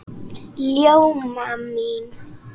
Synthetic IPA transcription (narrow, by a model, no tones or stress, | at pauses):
ljɔwmaminu